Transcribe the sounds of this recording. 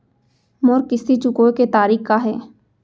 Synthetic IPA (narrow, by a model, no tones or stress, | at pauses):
moːɾkɪsit͡ʃʊkoːeket̪aːɾiːkkaɦɛː